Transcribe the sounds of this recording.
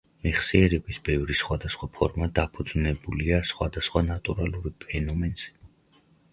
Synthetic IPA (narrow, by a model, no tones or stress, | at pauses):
mɛχsiɛɾɛbisbɛvɾisχwad̪asχwapʰɔɾmad̪apʰud̪znɛbuliasχwad̪asχwanat̪ʼuɾalˠuɾipʰɛnɔmɛnz̥ɛ̥